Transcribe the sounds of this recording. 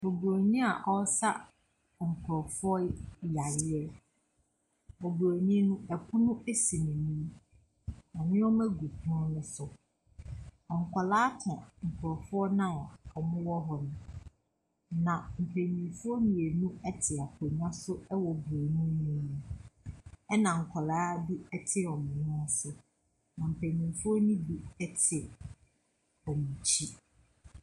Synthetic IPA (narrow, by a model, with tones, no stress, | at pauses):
ɔ˨bo˨ɲĩ˦a˨ʔɔ˦sa˦ | ŋ̩˨kʰɔ˨fʊ˦ɔ˦ja˨ɾɪ˦ɛ˦ | ɔ˨bo˨ɲĩ˦nũ˦ɛ˨kʰʊ̃˦nʊ̃˦e˦si˨nĩ˨nĩ˦ | ɔ̃˨ɲɪ̃˦ɔ˦mɛ˦ɡu˨pʰu˦ʊ̃˦nʊ̃˦sʊ˨ | ɔ˨ŋ̩˨kʰʷa˨laː˦tʰã˨ŋ̩˨kʰɾɔ˨fʊ˦ɔ˦nã˦˨ɔ˨mʊ̃˦wɔ˦ɦɔ˨nʊ̃˨ | nã˨m̩˨pʰe˨ɲĩ˨fʊ˦ɔ˦nĩ˨e˨nũ˦ɛ˦tʰɪ˨a˨pʰɔ˨ɲã˦sʊ˦ɛ˦wɔ˨be˨nũ˦ĩ˦nʊ̃˦ | ɛ˦nã˨ŋ̩˨kʷʰɔ˨laː˦bi˦ɛ˦tʰɪ˦˨ɔ˨mʊ̃˨nʊ̃˦sʊ˦ | nã˨m̩˨pʰe˨ɲĩ˨fʊ˦ɔ˦nĩ˦bi˦ɛ˦tʰɪ˨ | ɔ˨mũ˨t͡ɕʰi˦